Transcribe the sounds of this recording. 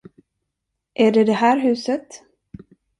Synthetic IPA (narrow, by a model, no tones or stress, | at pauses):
ʔæɖɛd̪ɛɦæːɾɦʉ̟ːsət̪